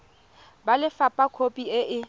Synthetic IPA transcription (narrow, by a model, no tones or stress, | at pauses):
balɪfapʼakʰopʼiɪʔɪ